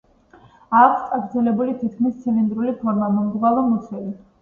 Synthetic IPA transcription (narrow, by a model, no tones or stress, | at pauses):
akʰst̪ʼaɡɾd̪zɛlɛbulit̪ʰit̪̚kʰmist̪sʰivind̪ɾulipʰɔɾmamɔmd̪uvaɾɛmɔt̪sʰwɛli